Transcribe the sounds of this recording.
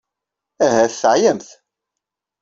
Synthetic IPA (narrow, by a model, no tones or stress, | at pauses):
æɦæθθʕjæmθ